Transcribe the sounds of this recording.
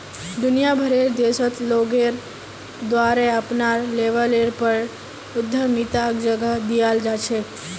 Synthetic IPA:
d̪ʊnijabʱəɾeɾd̪esət̪loɡeɾ | d̪ʋaɾeapnaɾleʋəleɾpəɾ | ʊd̪ʱːəmit̪akd͡ʒəɡəd̪ijald͡ʒat͡ʃʰe

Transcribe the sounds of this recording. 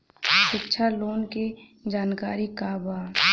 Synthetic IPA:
ʃɪkʃʰaloːnke | d͡ʒaːnkaːɾikabaː

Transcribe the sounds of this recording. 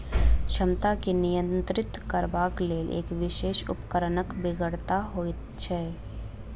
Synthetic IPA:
ʃəmt̪akinijə̃nt̪ɾɪt̪kəɾbaːkleːlʔḛːkʋɪʃeːʃʊ̰pkəɾnəkbɪɡəɽt̪aɦoːt̪t͡ʃʰɛː

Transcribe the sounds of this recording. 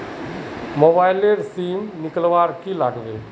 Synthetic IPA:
mobaːɪleɾsiːmnɪkəlʋaːɾkilaːɡʋeː

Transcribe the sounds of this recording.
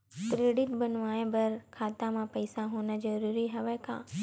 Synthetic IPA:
kɾeːɖɪʈbɐnʋaːẽbɐɾkʰaːt̪ãmãpɐɪsaɦoːnəzɐɾuːɾiɦɐʋəkʰã̰ː

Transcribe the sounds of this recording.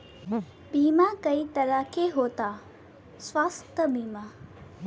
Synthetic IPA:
biːmakəit̪ɐɾakeɦoːt̪a | sʋaːst̪əbiːma

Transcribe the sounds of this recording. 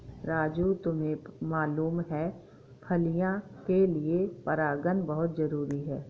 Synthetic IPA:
ɾaːd͡ʒut̪ʊmẽmaːluːmɦɛ | pʰɐlijãkeliepɐɾaːɡənbɐɦʊt̪zɐɾuːɾiɦɛː

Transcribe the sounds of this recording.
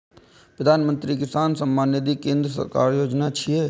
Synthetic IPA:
pɾəd̪ʱaːnmə̃nt̪ɾikɪsaːnsəmbaːnjed̪ikẽːnd̪ɾəsə̰ɾka̰ːɾjoːd͡ʒnat͡ʃʰieː

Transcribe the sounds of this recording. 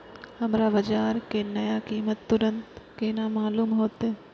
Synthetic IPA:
hɐmɾaʋɐd͡ʒaːɾkenɐjakiːmət̪ːʊɾə̃nt̪keːnamaːluːmɦoːt̪ɦe

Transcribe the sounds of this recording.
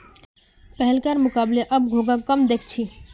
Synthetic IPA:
pəɦɛlkaɾmʊkableʔəb̚ɡʱoɡakəmd̪ekʰt͡ʃʰi

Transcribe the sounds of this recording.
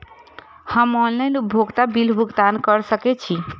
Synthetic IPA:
həmɔnlajnup̚bʱoɡt̪abilbʱuɡd̪ankəɾsəkɛt͡ʃʰi

